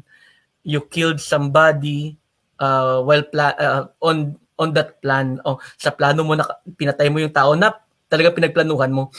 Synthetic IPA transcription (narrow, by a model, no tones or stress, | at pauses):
jʊkɪld̪̚sɐmbad̪i | ʔawɛlplaʔʔon | ʔond̪ɐt̪̚planosɐplaːnomo̞nɐpɪnɐt̪ajmojʊŋt̪aːʔonɐp̚ | t̪ɐlɐɡaŋpɪnɐɡ̚plɐnuːhɐnmo̞